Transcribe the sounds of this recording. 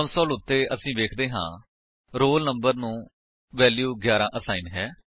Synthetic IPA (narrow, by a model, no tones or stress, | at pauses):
nsɔːlʊt̪ːeːʔəsĩːʋeːkʰd̪eːɦã̰ː | ɾoːlnəmbəɾnũː | ʋɛːljuːɡjaːɾãːʔəsaːiːnɦɛː